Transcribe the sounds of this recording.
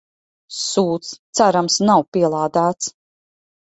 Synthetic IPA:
suːt̪st̪saɾamsnawpiɛlˠaːd̪aːt̪s

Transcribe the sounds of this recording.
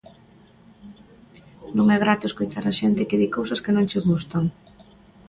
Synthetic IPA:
nõŋɛɣɾat̪oeskojt̪aɾaʃent̪ɪkeðikowsɐskɪnõŋt͡ʃɪɣust̪aŋ

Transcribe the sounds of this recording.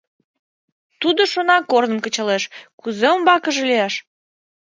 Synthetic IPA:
t̪ud̪oʃonɑkornəmkət͡ɕəleʃkuzeombɑkəʒeliæʃ

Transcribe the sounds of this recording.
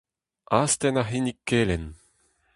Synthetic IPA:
aːst̪ɛnaɦinikːelɛn

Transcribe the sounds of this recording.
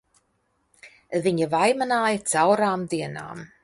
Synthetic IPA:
əðɪɲəvajmənajt͡sʰawɾamðiəna̰m

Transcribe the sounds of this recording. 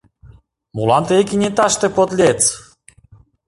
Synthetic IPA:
mulɑnt̪eekinʲet̪ɑʃt̪ĕpot̪lʲet͡s

